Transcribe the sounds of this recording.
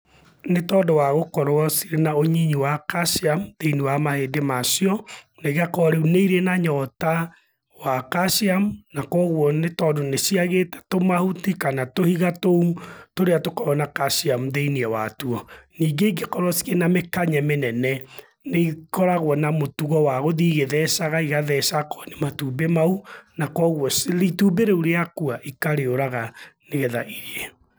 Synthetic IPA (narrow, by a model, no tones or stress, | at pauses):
netɔːdɔwaɣokɔɾwɔsiɾenaoɲiɲiwakaʃiamuðeiniwamahedemasiɔ | neɣakɔɾeuneiɾenaɲɔta | wakaʃiamunakɔɣwɔnetɔdonesiaɣetɛ̥tomahutikanatohiɣatoutoɾeatokɔɾɔnakaʃiamuðeiniɛwatuɔniːɡeiɡekɔɾɔsi̥ɣenamekaɲɛmenɛnɛ | neikɔɾaɣwɔnamotuɣɔwaɣoðiːɣeðɛsaɣaiɣaðɛsakɔ̥nematuːbemaunakɔɣwɔsɾitubeɾeuɾeakuaʔikaɾeoɾaɣaneɣɛðaʔiɾɛ